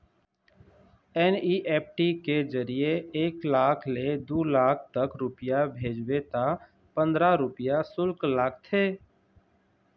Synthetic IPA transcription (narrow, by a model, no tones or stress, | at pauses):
ɛːniːʔɛːp̚ʈikezəɾijeeːklaːkʰled̪uːlaːkʰt̪əkɾʊpɪjabʱeːd͡ʒwet̪a | pə̃nd̪ɾaɾʊpɪjasʊlklaːkt̪ʰeː